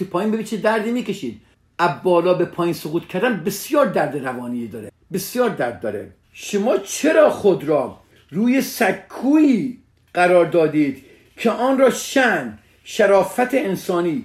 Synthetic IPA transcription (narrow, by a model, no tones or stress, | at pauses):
epʰɒːjinbebit͡ʃʰed̪æɾd̪iːmiːkeʃiːd̪̥ | ʔæbːɒːlɒːbepʰɒːjiːnsoɣuːt̪kʰæɾd̪ænbesjɒːɾd̪æɾd̪eɾævɒːnijed̪ɒːɾe | besjɒːɾd̪æɾd̪̚ːɒːɾḛ | ʃomɒːt͡ʃʰeɾɒːxod̪ɾɒː | ɾuːjesækʰːuːiː | ɢæɾɒːɾd̪ɒːd̪iːd̪̥ | kʰeʔɒːnɾɒːʃæn | ʃæɾɒːfæt̪ʰeensɒːniː